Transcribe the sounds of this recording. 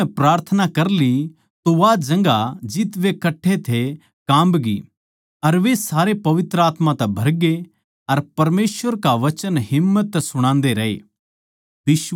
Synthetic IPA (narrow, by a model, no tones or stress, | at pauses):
pɾaːɾt̪ʰənakɐɾli | t̪oʋad͡ʒɐ̃ŋɡad͡ʒɪt̪ʋekɐʈʰːet̪ʰe | kãːmbɡḭ | ɐɾʋesaːɾepɐʋɪt̪ɾəaːt̪mãt̪ɛbʱɐɾɡe | ɐɾpɐɾmeːsʋəɾkaʋɐt͡ʃənɦɪmːət̪ːɛsʊɽ̃ãːnd̪eɾɐḛː | bɪʃ